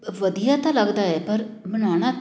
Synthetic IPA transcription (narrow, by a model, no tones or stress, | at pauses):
ʋəd̪ijaːt̪ãːləɡd̪aːɛːpəɾbənaːɽ̃aː